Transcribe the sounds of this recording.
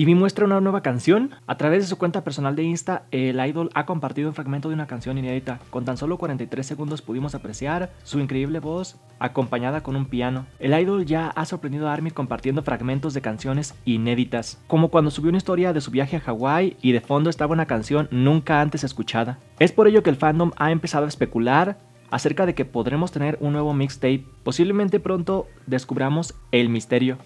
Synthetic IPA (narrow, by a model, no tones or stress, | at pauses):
imimwe̞st̪ɾaunanwe̞βakansjo̞na̰t̪ɾaβe̞zðesukwe̞nt̪ape̞ɾso̞nald̪e̞inst̪aelajðo̞lako̞mpaɾt̪iðunfɾaɣment̪oðunakansjo̞nine̞ðit̪ako̞nt̪anso̞lo̞kwaɾent̪ajt̪ɾe̞s̬ːe̞ɣũnd̪o̞spuðimo̞sapɾe̞sjaɾ | suiŋkɾe̞iβle̞βo̞s | a̰ko̞mpaɲaðako̞numpiano̞e̞lajðo̞lʝaasoɾpɾend̪iðoaɾmiko̞mpaɾt̪je̞nd̪o̞fɾʔaɣment̪o̞zðe̞kansjo̞ne̞sine̞ðit̪asko̞mo̞kwand̪osuβjounaist̪o̞ɾjaðesuβjaxe̞axaɣwajiðe̞fo̞nd̪oest̪aβwenakansjo̞nːũŋkaant̪e̞se̞skut͡ʃaða | e̞spo̞ɾe̞ʝo̞ke̞ːlfand̪o̞maempe̞saðo̞aespe̞kulaɾ | a̰se̞ɾkaðe̞ke̞po̞ðɾe̞mo̞st̪e̞ne̞ɾunːwe̞β̞omikst̪ejt̪̚pːo̞siβle̞ment̪e̞pɾo̞nt̪o̞ | ðe̞skuβɾamo̞se̞lmist̪e̞ɾjo̞